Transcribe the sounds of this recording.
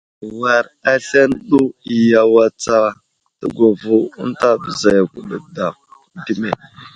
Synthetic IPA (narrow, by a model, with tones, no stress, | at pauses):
wa˨ɾa˦ɬa˦nɗu˦i˨ja˨wa˦t͡sa˦ | tə˦ɡʷa˨vu˦ṵ˦n˦ta˦bə˨za˨ja˨ku˨ɗə˨da˨ | di˦me˨